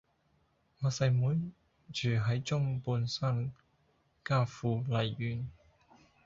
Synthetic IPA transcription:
ŋɔː˨˧sɐ˨˧jmuː˨˥n | t͡ʃʰyː˨˩ɦɐ˨˥jt͡ʃʊ˥ŋpuː˧nsa˥˩n | kaː˥fuː˧lɐ˨jːyː˨˩n

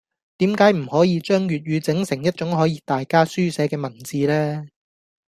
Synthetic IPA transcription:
t̪iː˨˥mkaː˨˥jm̩˨˩hɔː˨˥jiː˨˧t͡ʃœː˥ŋɥyː˨t̚jyː˨˧t͡sɪ˨˥ŋsɪ˨˩ŋjɐ˥t̚t͡ʃʊ˨˥ŋɦɔː˨˥jiː˧t̪aː˨jkaː˥syː˥sɛː˨˥kɛː˧mɐ˨˩nt͡siː˨˧lɛː˥

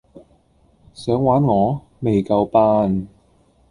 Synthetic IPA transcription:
sœː˨˥ŋwaː˨˥nŋɔː˨˧ | me˨jkɐ˧wpaː˥n

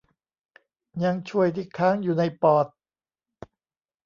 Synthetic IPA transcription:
ɲa˧ŋt͡ɕʰu˥˩əjt̪ʰiː˧˥˩kʰaː˦˥ŋjuː˨˩na˧jpɔː˨˩t̪̚

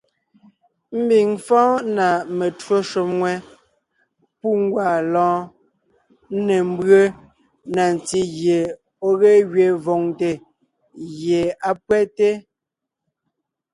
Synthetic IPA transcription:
m̩˦bi˨ŋfɔ̃ː˦na˨me˨two˦ʃo˨mŋwɛ˦ | pu˦ŋ˦ɡwa˨lɔ̃ː˨˦ | ne˨m̩˦bɰə˦ | na˨n˨t͡si˦ɣje˨ | o˦ɣe˦ɣɥe˨vɔ˨ŋte˨ | ɣje˨a˨pwɛ˦te˦

